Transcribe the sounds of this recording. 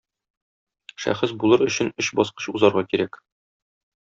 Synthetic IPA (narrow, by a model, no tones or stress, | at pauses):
ʃæ̰χɘsbulˠɤɾɵ̆ɕɘnɵɕbɒsqɤ̥ɕuzɑɾʁɑkiɾæk